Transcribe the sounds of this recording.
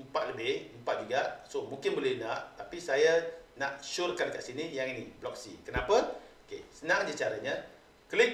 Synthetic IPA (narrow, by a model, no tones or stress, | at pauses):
əmpat̪̚ləbɪhəmpat̪̚d͡ʒuɡaʔsomũŋkɪnbolɛhnaʔt̪apisajanaʔʃʊrkankaʔsinijaŋiniblɔksḭkənapakḛsənaŋd͡ʒit͡ʃaɾaɲã | kəlɪk̚